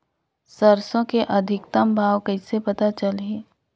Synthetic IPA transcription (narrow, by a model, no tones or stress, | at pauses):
sɐɾsõkeʔɐd̪ʱɪkt̪əmbʱaːwkəɪsepɐt̪at͡ʃəlɦɛ̃ː